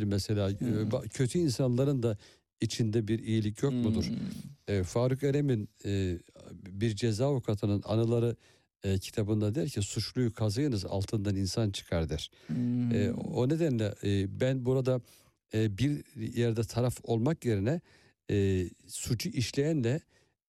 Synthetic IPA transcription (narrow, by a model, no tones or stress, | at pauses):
mɛselʲaːbacʰø̞t̪ʰyinsanlˠaɾɯnd̪a | it͡ʃʰind̪ɛbiɾijilʲicʰjo̞k̚mud̪uɾ̥ | faːɾɯkøɾemin | biɾd͡ʒezaːukʰat̪ʰɯnɯna̰nɯlˠaɾɯ | ɯcʰi̥t̪ʰabɯnd̪ad̪eɛɾcʰɛsut͡ʃlˠujukʰazajɯnɯza̰lˠt̪ʰɯnd̪aninsant͡ʃʰɯ̥kʰaɾd̪ɯɾ̥ɛone̞d̪ænlʲɛbænbuɾad̪a | biɾjɛɾd̪ɛt̪ʰaɾafo̞lˠmakje̞ɾinɛ | sut͡ʃʰuʔiʃlʲejænlʲɛ